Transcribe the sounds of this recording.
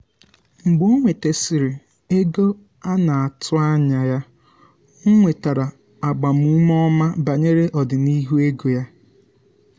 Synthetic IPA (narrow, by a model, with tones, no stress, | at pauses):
ŋ͡m̩˨ɡ͡bo˦ŋʷe˨te˨sɪ˨ɾɪ˨ | e˦ɡo˦ | a˦na˨a˨tʊ˦a˦ɲa˨ja˦ | ŋ˦ŋʷe˨ta˨ɾa˨ | a˨ɡ͡ba˨m̩˦u˦m˦ɔ˦ma˦ba˨ɲe˦ɾe˦ʔɔ˨dɪ˨ni˦ɦu˦e˦ɡo˨ja˦